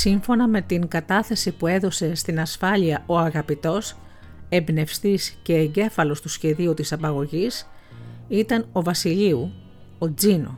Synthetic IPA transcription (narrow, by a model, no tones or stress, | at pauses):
siɱfo̞nɐme̞t̪iŋɡɐt̪ɐθe̞sipue̞ðo̞se̞st̪inɐsfɐliɐʔo̞ɐɣɐpit̪o̞s | e̞bne̞fst̪isce̞ːɲɟe̞fɐlo̞st̪usçe̞ðiut̪isɐpɐɣo̞ʝis | it̪ɐno̞vɐsiliu | o̞d͡zino̰